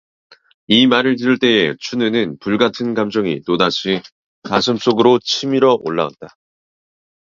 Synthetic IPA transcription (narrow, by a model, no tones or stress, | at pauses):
imaɾɯɭtiɾɯɭt͈e̞et͡ɕʰunɯnɯnpuɭɡatʰɯnɡamd͡ʑʌŋitodaɕʰi | tas̬ʰɯms͈oɡɯɾot͡ɕʰimiɾʌʔoɭːa̰wa̰t̚t͈a